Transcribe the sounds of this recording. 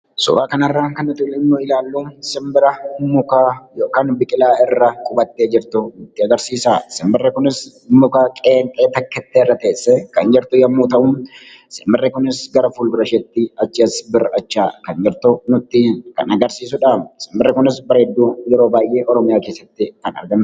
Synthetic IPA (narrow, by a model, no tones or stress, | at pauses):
sʊ̰ɾaːkɐnɐrːaːŋkɐnʊt̪ɪlɪnːoːɪlaːlːuːnsɪmbɪɾɐmːʊkajoːkaːnbɪkʼɪlaːɪrːɐkʼʊbɐt̪ːeːd͡ʒɪɾt̪ʊnʊt̪ːɪɐɡɐɾsiːsasɪmbɪrːɛkʊnɪs | mːʊkakʼeːŋk̪ʼeːt̪ɐkːɛt̪ːeːɪrːɐt̪eːsːɛkɐnd͡ʒɛɾt̪ʊjɐmːuːt̪ɐʔʊm | sɪmbɪrːɛkʊnɪsɡɐɾɐfulɾɐʃɛt̪ːɪɐt͡ʃːɪɐsbɪrɐt͡ʃːaːkɐnd͡ʒɛɾt̪ʊnʊt̪ːɪkɐ̰nɐɡɐɾsiːsʊᶑaːmsɪmbɪrːɛkʊnɪsbɐɾɐɛd̪ːuːjɛɾo̞ːbaːjʔeːʔɔɾɔmɪjaːke̞ːsːɐt̪ːɪk̪ɐnɐ̰ɾɡɐnː